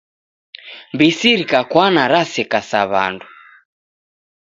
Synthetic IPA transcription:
mbisiɾikakwanaɾasɛkasaβa̰ndu

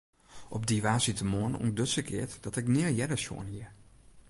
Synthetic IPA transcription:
ʔɔb̚diʋaːsitəmoənṵndøtsəkʰɪ̰ətd̥ɔtɪknɪəljɛdəso̰ənhiəɹ

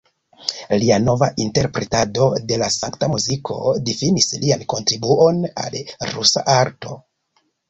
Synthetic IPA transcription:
liano̞vaʔinte̞ɾpɾe̞tado̞de̞lasaŋktamuzikʰo̞̰difinislianko̞ntɾibuo̞na̰lɾusa̰ʔaɾto̞̰

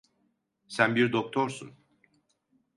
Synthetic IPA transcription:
sænbiɾd̪ok̚t̪ʰoɾsun

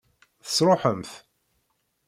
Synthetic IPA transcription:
θə̥sɾˤoħəmθ

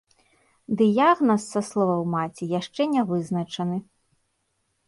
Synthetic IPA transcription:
d̪ɨjaɣnɐsːɐslˠɔvɐwmat͡sʲijaʂt͡ʂɛnʲɛvɨznɐt͡ʂɐnɨ

